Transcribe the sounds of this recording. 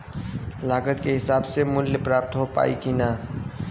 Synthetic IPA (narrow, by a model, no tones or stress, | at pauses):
laːɡət̪keɦɪsaːbsemʊlːpɾaːp̚t̪ɦopa̰ːikinaː